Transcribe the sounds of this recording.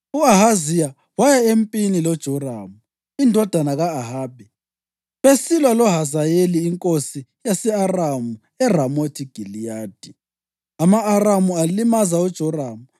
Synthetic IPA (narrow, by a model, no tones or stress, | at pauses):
uaɦazija | wajɛempʼinilɔd̥ʒ̥ʱɔra̰ːmu | indʱɔd̥ʱanaɣaːɦaːbʱɛ | βesilwalɔɦazajeliːŋkʼosijasɛaramu | ɛramotʰiɡ̥ʱilijaːd̥ʱi | amaːramualimazaud̥ʒ̥ʱɔraːmu